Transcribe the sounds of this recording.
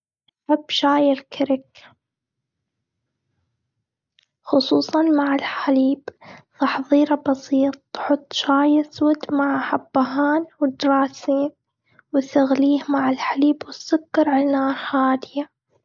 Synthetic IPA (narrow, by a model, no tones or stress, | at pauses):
ħabʃaːjɪlkʰɪɾɪk | xʊsˤuːsˤɑnmaʕɪlħaliːbθɑħðˤiːɾɑbɑsiːt̪̚ˤħʊt̪ˤːʃaːjaswɪd̪maʕħabːaɦaːnwɪd̪ɾˤɑːsiːn | wɪsaɣliːhmaʕɪlħaliːbwɪsːʊkːɑɾˤʕanaːɾˤhaːd̪ɪja